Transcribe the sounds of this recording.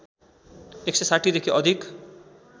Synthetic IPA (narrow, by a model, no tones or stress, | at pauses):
eksesaʈʰid̪ekʰiʔʌd̪ʱik